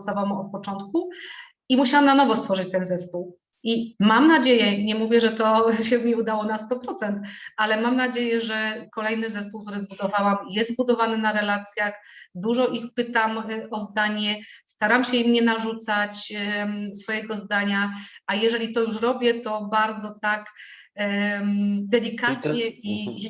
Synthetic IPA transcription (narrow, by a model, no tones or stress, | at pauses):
st̪avawɔt̪̚pɔt͡ʂɔnt̪ku | imuɕawamnanɔvɔst̪fɔʐɨt͡ɕt̪ɛnzɛspuw | imamnad͡ʑejɛɲɛmuvʲjɛʐɛt̪ɔɕɛmʲiud̪awɔnast̪ɔpɾɔt̪sɛnt̪alɛmamnad͡ʑejɛʐɛkɔlɛjnɘzɛspuwkt̪uɾɘzbud̪ɔvawamjɛst̪bud̪ɔvanɘnaɾɛlat̪sʲjaxd̪uʐɔʔixpɘt̪amʔɔzd̪aɲɛst̪aɾamɕɛimɲɛnaʐut̪sat͡ɕ | sfɔjɛɡɔzd̪aɲaajɛʐɛlʲit̪ɔjuʂ̬ɾɔbʲjɛt̪ɔbaɾd̪zɔt̪ak | d̪ɛlʲikat̪ɲɛi